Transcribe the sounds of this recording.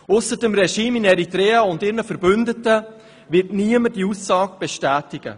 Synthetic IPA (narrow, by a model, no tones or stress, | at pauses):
ʊsədəmrɛʃiːmɪnɛɾitɾɛːaʊndɪːɾnəfəɾbʏndətə | vɪtniəməd̥iusːɑːɡ̚b̥ɛʃtæːtɪɡ̥ə̰